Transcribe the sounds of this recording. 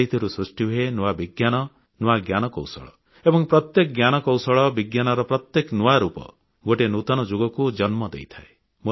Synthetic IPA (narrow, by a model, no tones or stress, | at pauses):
ɦit̪ʰɔɾusɾusʈiuɦenuabiɡjanɔ | nuaɡjanɔkɔ̰wsɔ̰ɭɔ̰ | ebɔŋpɾɔt̪jekɔɡjanɔkɔwsɔɭɔbiɡjanɔɾɔpɾɔt̪jeknuwaɾupɔ̰ | ɡoʈenut̪ɔnɔd͡ʒoɡɔkud͡ʒɔnmɔd̪ḛjt̪ʰae | mo